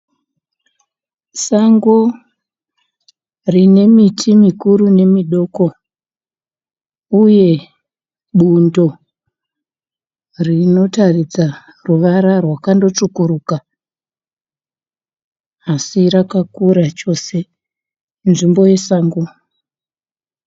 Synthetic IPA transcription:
saŋɡo | rine̞mitʰimikuɾune̞miɗo̞ːko̞ | uje̞ | ɓundo̞ | rino̞tarid͡za | ruʋaɾarwakando̞t͡ʂukuɾuːka | asiɾakakuɾat͡ʃo̞se̞ | nʐimbo̞je̞saːŋɡo

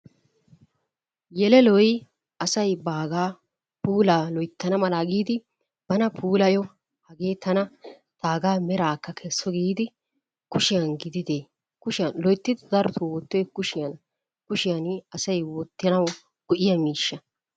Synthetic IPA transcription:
jɛlɛlɔj | ɐsɐjbaːɡaː | puːlaːlɔjt̪ːɐnɐmɐlaːɡiːd̪ɪ | b̥ɐnɐpʰuːlɐjɔ | hɐɡeːt̪ɐnɐ | t̪aːɡaːmɛɾaːkːɐkʰɛsːɔɡiːd̪ɪ | kʊʃɪjɐnɡɪd̪ɪd̪eː | kʊʃɪlɔjt̪ːɪd̪ɪd̪ɐɾɔt̪ʰʊwɔt̪ːɔjkʊʃɪjɐn | kʊʃɪjɐnɐsɐjwɔt̪ːɪnɐw | ɡ̥ʊʔɪjɐmiːʃːɐ

